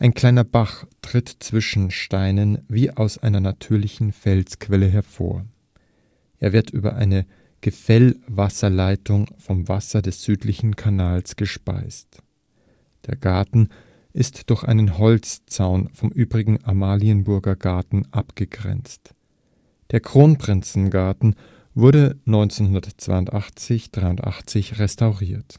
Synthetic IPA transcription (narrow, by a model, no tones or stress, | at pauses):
ʔaɪnkʰl̥aɪnɐbaχtʁ̥ɪtt͡sv̥ɪʃn̩ʃtaɪnənviːʔaʊsʔaɪnɐnatʰyːɐlɪçn̩fɛlskv̥ɛləɦɛɐfo̰ːɐ | ʔeːɐvɪɐtʔy̰ːbɐ̰ʔa̰ɪnə | ɡ̥əfɛlvasɐlaɪtʊŋfɔmvasɐdɛsz̥yːtlɪçn̩kʰanaːlsɡ̥əʃpa̰ɪst | d̥eːɐɡaɐtn̩ | ʔɪstd̥ʊɐçʔa̰ɪnənhɔlt͡st͡saʊnfɔmʔyːbʁɪɡŋ̩ʔamaːliənbʊɐɡɐɡaɐtn̩ʔapɡ̥əɡʁɛ̰nt͡st | d̥eːɐkʁ̥oːnpʁ̥ɪnt͡sn̩ɡaɐtn̩ | vʊɐdənɔʏnt͡senhʊndɐtt͡sv̥a̰ɪʊntʔaχt͡sɪçd̥ʁaɪʊntʔa̰χt͡sɪçʁɛstaʊʁiːɐt